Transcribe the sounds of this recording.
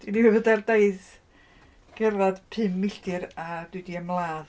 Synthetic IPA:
d̥iniɨvədardaɨθ | ɡ̥ɛrvad̥pʰɨmːɪɬdɨɾad̥wɨdiəmlˠaːð

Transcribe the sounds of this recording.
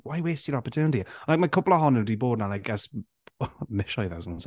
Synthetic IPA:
wajweːstjəɾɔpətʰjuːnɪtilaɪk̚majkʰʊplˠəɦɔnɪdiboːd̚ⁿnanaɪɡɛs | mɪʃɔjðasns

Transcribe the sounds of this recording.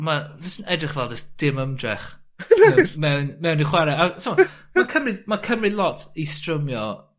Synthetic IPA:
mavɪsənɛdrɪχvɛlˠd͡ʒəstd̥ɪməmdrɛ̰χ | ɛmɛwnmɛwniχwɛɾɛatʰəmamakʰəmrɪmakʰəmrɪlˠɔtʰistrəmjɔ

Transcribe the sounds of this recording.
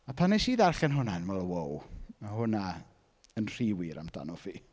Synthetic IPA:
apʰanːeʃiːðarɬɛnɦʊnanmɛlˠəwowmahʊna | ənr̥iwɪɾa̰mda̰nɔfiː

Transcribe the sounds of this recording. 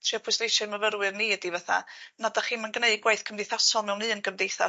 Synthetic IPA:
tʰriɔpʰʊjsnejʃɔməvəɾwɨrniədivɛθa̰nadaχiːnmənɡneɨɡwaɨθkʰəmdejθasɔlˠmɛwnɨːənɡəmdejθa̰

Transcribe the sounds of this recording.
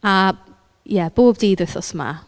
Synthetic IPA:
a | jɛb̥oːb̚diːdɪθɔsma̰

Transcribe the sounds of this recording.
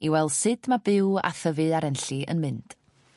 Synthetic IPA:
iwɛlˠsɨd̥mabɪwa̰θəvɨaɾɛnɬiə̰nmɨnd̥

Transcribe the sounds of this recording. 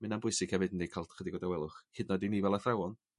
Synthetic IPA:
mɪnambʊɨsɪɡʰhɛvɨdən̩ːekʰalˠtχədiɡɔdawɛlˠʊχhɪdnɔdiniːvɛlˠaθrawɔn

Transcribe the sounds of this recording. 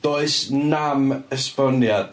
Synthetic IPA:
d̥oɨsnaməspɔnjad

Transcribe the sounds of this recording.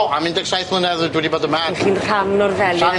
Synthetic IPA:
amɪ̃ndɛɡsajθmlənɛðdwɛdiboːdəmaχiːnr̥amnɔrvɛljɔ

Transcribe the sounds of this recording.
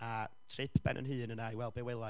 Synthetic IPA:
a | tʰrɪpʰb̥ɛ̰nʔə̰nɦɨːnənajwɛlˠbɛwɪlˠa

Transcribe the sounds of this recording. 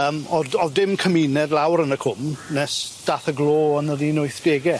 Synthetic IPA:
əːmɔdɔðdɪmkʰəminɛdlˠawɾənəkʰʊmnɛsd̥aːθəɡlˠoːɔnəðiːnʊɨθd̥eːɡɛ

